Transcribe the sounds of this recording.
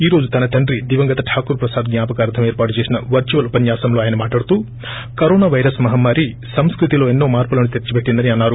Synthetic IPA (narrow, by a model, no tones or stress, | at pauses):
iːɾo̞ːd͡ʒut̪ɐnɐt̪ɐɳɖɾid̪iʋɐŋɡɐt̪ɐʈʰaːkuɾpɾɐsaːd̪ɡɲʲaːpɐkaːɾd̪ʰʱɐmeːɾpaːʈut͡ʃeːsinɐʋɐɾt͡ʃuʋɐlupɐnjaːsɐmloaːjɐnɐmaːʈaːɽt̪u | kɐɾoːnaːʋɐjɾɐsmɐɦɐmːaːɾi | sɐmskɾut̪iloːenːoːmaːɾpɐlɐɳut̪eɾt͡ʃibeʈːind̪ɐniaːnːaːɾu